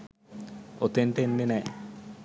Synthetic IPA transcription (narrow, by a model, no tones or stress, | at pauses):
ot̪enʈenːenɛ